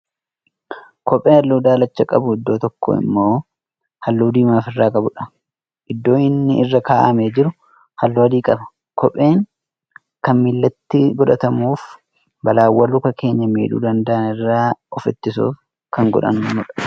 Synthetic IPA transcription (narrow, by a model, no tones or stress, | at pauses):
kɔpʼːe̞ːɐlːuːd̪aːlɐt͡ʃːɐkʼɐ̰bʊɪd̪ːo̞ːt̪ɔkʰːo̰ɪ̰mːo̞ː | hɐlːuːd̪iːmaːfɪrːaːkʼɐbʊᶑɐ̥ | ʔɪd̪ːo̞ːɪnːɪɪrːɐkaːʔɐmeːd͡ʒɪɾʊ | hɐlːoɐd̪iːkʼɐbɐ | kʰɔpʼːe̞ːŋ | kɐnmɪlːɐt̪ːɪɡɔd̪ɐt̪ɐmuːf | bɐlaːwːɐluːkɐkʰe̞ːɲːɐmḛːᶑṵːd̪ɐnd̪ɐʔɐnɪrːaːɔfɛt̪ːɪsṵːf | kɐŋɡɔ̰ᶑɐ̰nʊːʊᶑɐ̥